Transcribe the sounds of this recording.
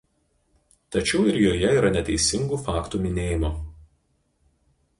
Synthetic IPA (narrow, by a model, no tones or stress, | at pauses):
t̪ɐt͡ʃʲɛʊɪɾjoːjɛiːɾɐnʲɛt̪ʲɛɪsʲɪŋɡuːfɑːkt̪uːmʲɪnʲeːjɪmoː